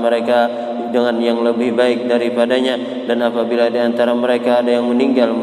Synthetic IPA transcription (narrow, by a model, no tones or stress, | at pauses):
məɾeka | dəŋanjaŋləbɪhbaɪk̚daɾipadaɲa | danapabiladiant̪aɾaməɾekaːdajaŋməniŋɡalm